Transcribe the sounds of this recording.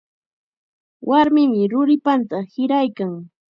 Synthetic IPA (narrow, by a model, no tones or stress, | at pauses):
wʔaɾmɪmɪɾʊɾɪpant̪ahɪɾajkaŋ